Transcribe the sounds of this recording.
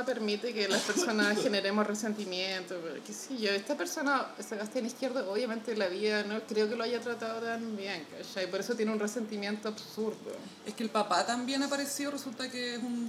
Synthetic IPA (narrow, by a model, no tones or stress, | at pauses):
peɾmit̪ekelaspeɾso̞nasxeneɾemosrese̞nt̪imjent̪opeɾo̰keseʝoeht̪apeɾso̞naseβast̪aenihkjeɾðooβjamẽ̞nt̪elaβiðanokɾeokeloaʝat̪ɾat̪aðoðeaɾmbjeŋkat͡ʃaipoɾeso̞t̪jeneunrese̞nt̪imje̞nt̪oaβsuɾðo̰ | eskeːlpapat̪ambjenapaɾesioresult̪akeesun